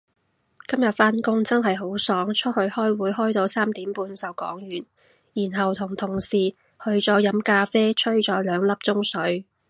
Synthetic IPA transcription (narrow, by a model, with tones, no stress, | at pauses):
kɐ˥mjɐ˨t̚faː˥nkʊ˥ŋt͡sɐ˥nɦɐ˨jɦo˨˥wsɔː˨˥ŋt͡ʃʰɵ˥t̚hɵ˧ɥhɔː˥jwuː˨˥jɦɔː˥jt̪o˧wsaː˥mt̪iː˨˥mpuː˧nsɐ˨wkɔ̰ː˨˥ŋjyː˨˩n | jiː˨˩nɦɐ˨wt̪ʰʊ˨˩ŋt̪ʰʊ˨˩ŋsiː˨˩ | hɵ˧ɥt͡sɔː˨˧˥jɐ˨˥mkaː˧feː˥t͡ʃʰɵ˥ɥt͡ʃɔː˨˥jlœː˨˧ŋlɐ˥p̚t͡sʊ˥ŋsɵ˨˥ɥ